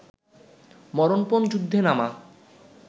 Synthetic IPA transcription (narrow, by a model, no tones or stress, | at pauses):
mɔɾonpond͡ʑud̪ʱːenama